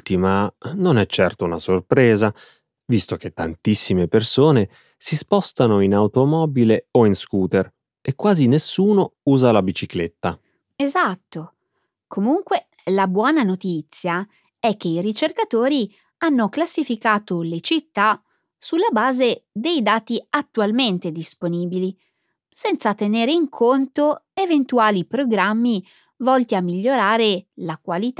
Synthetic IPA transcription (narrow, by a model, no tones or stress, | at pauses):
t̪imanonɛt͡ʃːɛrt̪ounasorpɾɛːza | vist̪ok̟et̪ːant̪isːimepersoːne | sispɔst̪anoinawt̪omɔːbileoinskuːt̪er | ekːwaːzinesːuːnouːzalabit͡ʃiklet̪ːa | ezat̪ːo | kʰomuŋkwe | labwɔːnanot̪it̪sːja | ɛk̟ːeiɾit͡ʃerkat̪oːɾi | anːoklasːifikaːt̪olet͡ʃit̪ːa | sulːabaːzed̪ejd̪aːt̪iat̪ːualment̪ed̪isponiːbili | sɛnt̪sat̪eneːɾeiŋkʰont̪oevent̪uaːlipɾoɡɾamːi | vɔlt̪iamːiʎːoɾaːɾelakwalit̪a